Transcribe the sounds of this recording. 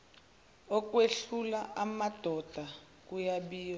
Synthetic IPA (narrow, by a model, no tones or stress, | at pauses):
ɔk̬ʼweɬulaʔamad̥ʱɔd̥ʱa | k̬ujaɓiːjɔ